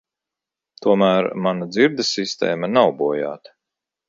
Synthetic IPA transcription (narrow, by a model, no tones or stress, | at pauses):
t̪uɔmæːɾmanad̪ziɾd̪ɨsist̪ɛ̰ːmɐnawbuɔja̰ːt̪